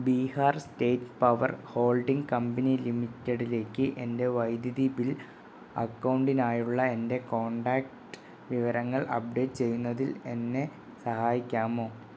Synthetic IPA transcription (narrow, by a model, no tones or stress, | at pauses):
biːhaːrste̞ːtpɐʋɐ̰rho̞ːlɖiŋɡkɐmbɐnilimitːeɽile̞ːkːɨʔe̞nde̞ʋɐjd̪jɐðibil | ɐ̰kːɐwɳɖinaːjuɭːɐe̞nde̞ko̞ːɳɖaːk̚ʈɨ̥ | ʋiʋɐɾɐŋːɐɭʔɐ̰p̚ɖe̞ːʈːt͡ɕe̞jːunːɐðile̞nːe̞ | sɐhaːjikʲːaːmo̞ː